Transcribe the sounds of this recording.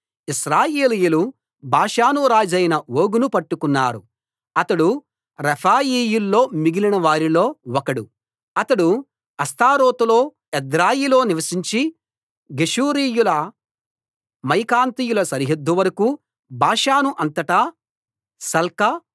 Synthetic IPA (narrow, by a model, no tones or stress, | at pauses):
isɾaːjeːlijulu | bʱaːʂaːnuɾaːd͡ʒɐjnɐʋoːɡunupɐʈːukunːaːɾu | ɐt̪ɐɽu | ɾɐpʰaːjiːjulːo̞ːmiɡilinɐʋaːɾilo̞ːwɔkɐɽu | ɐt̪ɐɽu | ɐst̪ʰaːɾoːt̪ulo̞ː | ɛd̪ɾaːjilo̞ːniʋɐsiɲt͡ʃi | ɡeʂuːɾiːjulɐ | mɐjkaːnt̪ijulɐsɐɾiɦɐd̪ːuʋɐɾɐku | bʱaːʂaːnuʔɐnt̪ɐʈɐ | sɐlkɐ